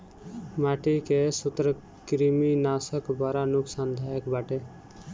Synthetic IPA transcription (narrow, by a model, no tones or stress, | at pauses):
maːʈikesʊt̪ɾə | kɾiminaːsəkbaːɾanʊksaːnd̪ʱajəkbaʈe